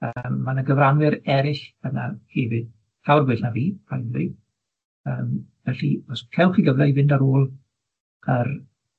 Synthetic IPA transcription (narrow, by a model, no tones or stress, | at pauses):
əːmːanəɡəvranwɪɾɛɾɪɬb̥ənahɛvɪd̥̚ | θawrbɪɬnaviːpʰajnlɪ | əːmvɛɬivɔskʰɛwχiɡəvlɛjvɪndaɾoːlˠʰ | ər